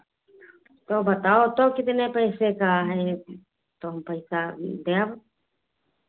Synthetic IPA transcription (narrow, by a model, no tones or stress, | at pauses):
t̪obət̪aot̪okɪt̪nepəjsekaɦɛ | t̪oɦmpəɪsad̪eab